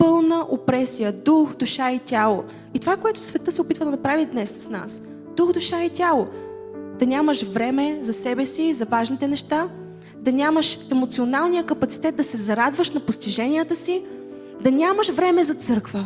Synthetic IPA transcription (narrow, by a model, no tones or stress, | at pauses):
pɤlˠnəʔopɾɛsijəd̪uxd̪uʃait̪ʲalˠo | it̪ovakoɛt̪ʊ̥svɛt̪ɤsɛopit̪vəd̪ɐnɐpɾavid̪nɛsːɐ̥sna̰s | d̪uxd̪uʃait̪ʲalˠo | d̪̥ɐnʲaməʃvɾɛmɛzɐsɛbɛsizɐvaʒnit̪ɛnɛʃt̪a | d̪ɐnʲaməʃɛmot̪sionalˠnijəkɐpɐt̪si̥t̪ɛt̪̚d̪ɐsɛzɐɾad̪vəʃnɐpost̪iʒɛnijət̪əsi | d̪ɐnʲaməʃvɾɛmɛzɐt̪sɤɾkvə